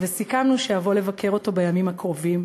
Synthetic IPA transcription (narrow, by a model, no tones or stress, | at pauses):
vesikamnuʃejavo̞le̞vake̞ʁo̞to̞bajamimhakʁo̞vim